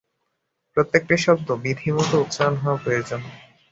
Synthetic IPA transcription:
pɾot̪ːek̚ʈiʃɔb̚d̪obid̪ʱimɔt̪out̪ʃaanɦɔepoed͡ʑan

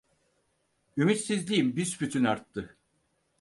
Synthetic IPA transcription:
ymyt̪sizlʲijimbysbyt̪ʰynaɾt̪ːɯ

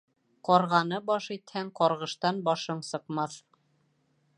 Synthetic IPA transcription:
qɒɾʁɑnɤbɒʃit̪hæŋqɒɾʁɤ̆ʃt̪ɑnbɒʃɤɴsɤ̆qmɑθ

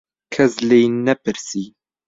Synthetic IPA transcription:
kʰɛslejnɛpɨɾsiː

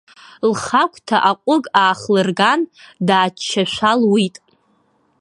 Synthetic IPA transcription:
lχakʷʰʼtʰaʔaqʷʼʊɡʼaːχlɨrɡandaːt͡ʃt͡ʃʰːaʃᶣʷalwitʼ

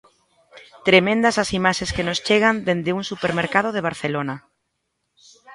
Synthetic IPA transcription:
t̪ɾemẽnd̪asasimaʃeskenost͡ʃeɣ̞and̪end̪euŋsupeɾmeɾkað̞oðeβ̞aɾθelona

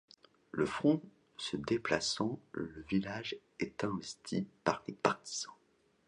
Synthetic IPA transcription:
ləfχɔ̃ | səd̪eplasɑ̃ləvilaʒ | ɛt̪ɛ̃vɛst̪ʰḭpaʁlepaʁt̪i̥z̥ɑ̃

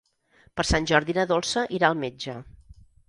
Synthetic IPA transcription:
pəɾsanʲʒɔɾðinəðolˠsəʔiɾaəlˠmed͡ʒə

